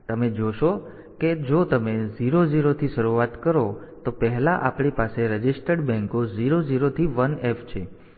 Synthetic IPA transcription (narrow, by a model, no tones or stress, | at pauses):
t̪əmed͡ʒoʃo | ked͡ʒot̪əmeziɾoziɾot̪ʰiʃəɾuat̪kəɾot̪opəɦɛlaʔapɳipaseɾəd͡ʒɪsʈəɖbɛ̃ŋkoziɾod͡ʒiɾot̪ʰiʋənefʰt͡ʃʰe